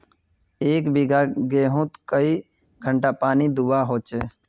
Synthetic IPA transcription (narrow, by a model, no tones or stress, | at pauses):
eːkbiɡaːɡeːɦʊ̃t̪kəi | ɡʱəɳʈaːpaːniːd̪uʋaːɦoːt͡ʃeː